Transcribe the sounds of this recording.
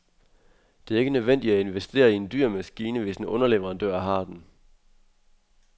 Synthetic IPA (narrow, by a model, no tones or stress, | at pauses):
d̥e̝æɐe̝ɡ̥ənøʋen̰d̥idæe̝nʋesd̥e̝̰ːɐiend̥y̰ɐ̰mæsɡ̥iːnəʋe̝sd̥enʔɔ̽nɐleʋɐʁɑnd̥øɐ̰ɦɑ̈d̥en